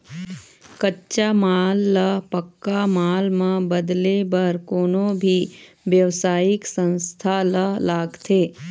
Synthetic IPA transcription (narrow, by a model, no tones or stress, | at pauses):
kətːʃamaːlːəpəkːamaːlmãbəd̪lebɐɾkoːnõbʱi | ʋjəʋsaːjɪksə̃nst̪ʰaləlaːɡt̪ʰeː